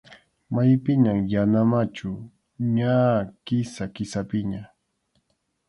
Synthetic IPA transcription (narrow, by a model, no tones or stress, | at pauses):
majpɪɲaŋjanamat͡ʃʊ | ɲakɪsakɪsapɪɲa